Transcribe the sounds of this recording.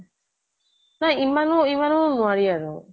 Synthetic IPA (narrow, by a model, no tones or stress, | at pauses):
naimãnũimãnũnũaɾiaɾo